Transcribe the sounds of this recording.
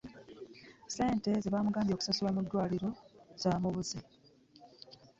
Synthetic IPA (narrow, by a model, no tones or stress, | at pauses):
se̞ːnte̞zeβaːmuɡaːmbjo̞ːku̥sasulamudːwaːliɾo̞z̥aːmuβuzi